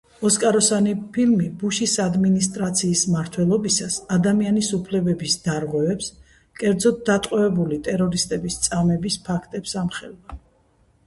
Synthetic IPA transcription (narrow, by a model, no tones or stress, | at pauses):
ɔskʼaɾɔsanipʰilmibuʃisad̪minist̪ʼɾat̪sʰiːsmaɾt̪ʰwɛlˠɔbisasad̪amianisupʰlɛbɛbisd̪̥aɾʁwɛvɛps | kʼɛɾd̪zɔd̪̚d̪at̪ʼqʼwɔvɛbulit̪ʼɛɾɔɾist̪ʼɛbist̪sʼamɛbispʰakʰt̪ʼɛpsamχɛlva